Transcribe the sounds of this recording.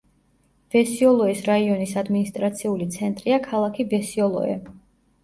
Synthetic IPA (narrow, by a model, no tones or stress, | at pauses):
v̥ɛsiɔlˠɔɛsɾaiɔnisad̪minist̪ʼɾat̪sʰiulit̪sʰɛnt̪ʼɾiakʰalˠakʰibɛsiɔlˠɔ̰ɛ̰